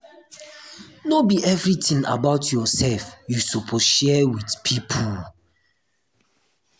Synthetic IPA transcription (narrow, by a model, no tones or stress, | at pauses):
nobiʔɛvɹitĩŋa̰baʊtjɔsɛlfjusupʰɔʃɛwidpʰipʰul